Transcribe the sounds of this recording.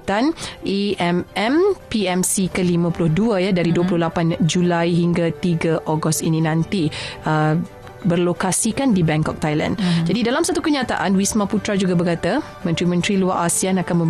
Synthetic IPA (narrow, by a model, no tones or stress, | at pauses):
t̪aniʔɛmʔɛmpiɛmsikəlimãpulʊhduajahdaɾiduapulʊhlapand͡ʒulajɦiŋɡat̪iɡaʔoɡɔst̪inĩnãnt̪iə | bərlokasikandibɛŋkɔ̰k̚t̪ajla̰ndd͡ʒadidalamsat̪ukəɲat̪a̰ʔanwismãput̪ɾad͡ʒuɡabəkat̪a | mə̃nt̪ɾimə̃nt̪ɾiluaʔasianakanmə̃m